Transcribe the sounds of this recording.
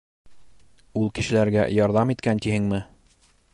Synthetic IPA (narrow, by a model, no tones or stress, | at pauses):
ulˠkɘ̆ʃɘ̆læɾɡæ̰jɑɾðɑmit̪̚kænt̪ihɘŋmɘ